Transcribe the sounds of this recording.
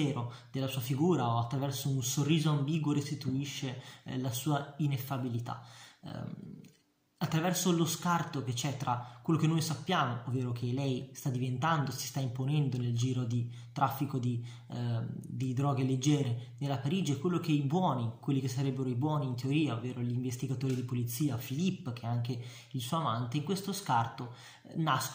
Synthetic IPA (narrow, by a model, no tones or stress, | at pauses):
ɛːɾod̪elːasuːafiɡuːɾaoat̪ːɾavɛrsounsorːiːzoambiːɡwoɾest̪it̪uiʃːelasuːainefːabilit̪a̰ | at̪ːɾavɛrsoloskart̪ok̟et͡ʃɛt̪ːɾakːwelːokenːojsapːjaːmoovːeːɾok̟ʰelɛjst̪ad̪ːivent̪and̪osi̥st̪aimponɛnd̪oneld͡ʒiːɾod̪i | t̪ɾʔafːikod̪i | d̪id̪ɾɔːɡeled͡ʒːɛːɾenelːapaɾiːd͡ʒiɛkwelːokeibwɔːnikwelːikesːaɾɛbːeɾoibwɔːniːnt̪eoɾiːaovːeːɾoliɱvest̪iɡat̪oːɾid̪ipolit̪sːiːafilipːk̟eɛaŋk̟e | ilsuoamant̪eiŋkwest̪oskart̪o | nask